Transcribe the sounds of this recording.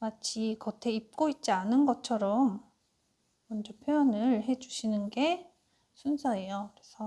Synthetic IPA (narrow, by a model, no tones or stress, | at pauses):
mat͡ɕʰikʌtʰe̞ip̚k͈oit̚t͡ɕ͈ianɯnɡʌt͡ɕʰʌɾʌm | mʌnd͡ʑʌpʰjojʌnɯɭɦe̞d͡ʑuɕʰinɯnɡe̞ | sʰunsʰae̞jokɯɾe̞sʰʌ